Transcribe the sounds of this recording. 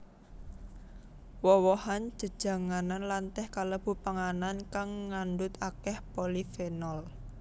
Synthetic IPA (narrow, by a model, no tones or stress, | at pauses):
wɔwɔhan̥d͡ʒ̥ə̤d̥ʒ̥ä̤ŋananlant̪ɛhkaləb̥ṳpaŋanankaŋːaɳɖʊt̪akɛhpolifenɔl